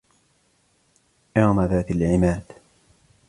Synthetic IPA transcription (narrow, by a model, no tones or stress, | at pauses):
ʔaːmaðaːt̪alʕɪmaːd̪̥